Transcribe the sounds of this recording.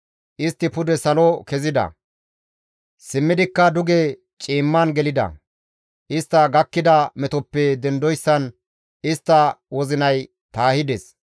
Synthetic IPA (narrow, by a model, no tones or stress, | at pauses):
ʔɪst̪ːɪpʊd̪ɛsɐlɔkɛzɪd̪ɐ̰ | sɪmːɪd̪ɪkːɐd̪ʊɡe | t͡ʃʼiːmːaːnɡɛlɪd̪ɐ̰ | ʔɪst̪ːɐɡɐkːɪd̪ɐmɛt̪ɔpːɛd̪ɛnd̪ɔjsːɐn | ɪst̪ːɐwɔzɪnɐj | t̪aːhɪd̪ɛs